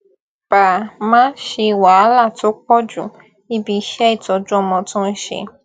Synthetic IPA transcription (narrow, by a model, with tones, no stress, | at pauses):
b̥a˨mãː˦n˦ʃe˧i˧wa˨˦la˦˨to˦k͡pɔ˦d͡ʒũ˦˨ | i˦bi˧ʃɛ˦i˦˨tɔ˨˧d͡ʒũ˦ɔ˧mɔ̃˧tũ˦n̩˦ʃḛ˧